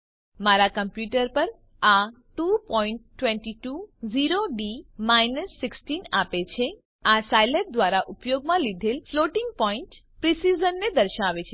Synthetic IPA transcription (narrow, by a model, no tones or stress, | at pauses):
maɾakəmpjuʈəɾpəɾ | a | ʈupɔiɳʈːʋẽɳʈiʈuziɾoɖimajnəsːɪksʈinapet͡ʃʰe | asajlep̚d̪ʋaɾaʔʊpjoɡmãlid̪ʱelfloʈɪŋɡ̚pɔiɳʈ | pɾisizənːed̪əɾʃaʋet͡ʃʰe